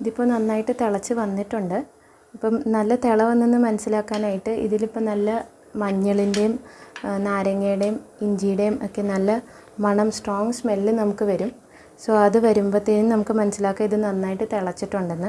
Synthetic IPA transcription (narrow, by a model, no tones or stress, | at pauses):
iðipːoːnɐnːaːjiʈːɨt̪iɭɐt͡ɕːɨʋɐnːiʈːuɳɖɨ | ipːoːmnɐlːɐt̪eɭɐʋɐnːenːɨmɐnɐsːilaːkːaːnaːjiʈːɨʔḭðilipːoːnɐlːɐ | mɐɲːɐɭinde̞jumnaːɾɐŋːejɽejumiɲd͡ʑijɽejumokːe̞nɐlːɐ | mɐɳɐmsʈroːŋɡsmelːɨnɐmukːɨʋɐɾum | soɐðɨʋɐɾumboːt̪ːininɐmukːɨmɐnɐsːilaːkːɐmiðɨnɐnːaːjiʈːɨt̪eɭɐt͡ɕːiʈːuɳɖenːɨ